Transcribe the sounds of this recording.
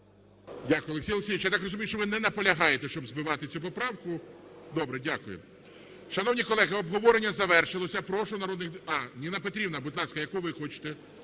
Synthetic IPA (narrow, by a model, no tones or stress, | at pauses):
dʲakʊjʊɔlˠeksʲijlˠeksʲijʋit͡ʃjat̪ɑkrɔzʊmʲijʊʃt͡ʃɔʋɪnɛnɐpɔlʲɐɦɑjet̪ɛʃt͡ʃɔbzbɪʋɑt̪ɪt͡sʲupɔpɾɑwkʊd̪ɔbɾɛdʲakʊjʊ̰ | ʃɐnɔwnʲikɔlˠɛɦɪɔbɦɔʋɔɾenʲːɐzɐʋɛrʃɪlˠɔsʲɐpɾɔʃʊnɐɾɔd̪nɪxɑnʲinɐpet̪ɾʲibnɐbʊd̪lˠɑskɐjɐkuʋɪxɔt͡ʃɪ̥t̪ɛ